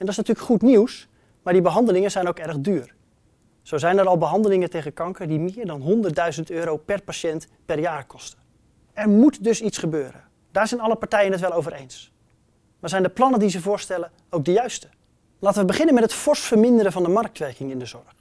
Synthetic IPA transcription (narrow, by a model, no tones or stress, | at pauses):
ɛndɑɪsnatyːləkχutniws | maːɹdibəɦɑndəlɪŋənzɛjnowkɛrχdyːɹ | z̥owzɛjnɛɾɑlˠbəɦɑndəlɪŋəntejχəkɑŋkəɹdimɪːɹdɑnɦɔndərt̚dœɥzəntøːɾowpɛɹpaʃɛnt | pɛɹjaːrkʰɔstə̥ | ɛɹmutdɵsitsχəbøːɾə̰ | d̥aːɹzɛjnɑlˠəpaɹtɛjənɦətʋɛlˠowvəɾejns | maːɹzɛjndəplɑnəndizəvʊːɹstɛlə | owk̚dəjœɥstə̥ | laːtəʋəbəχɪnənmɛtɦətfɔɹsfəɹmɪndəɾəvɑndəmɑɹk̚tʋɛɹkɪŋɪndəzɔɹχ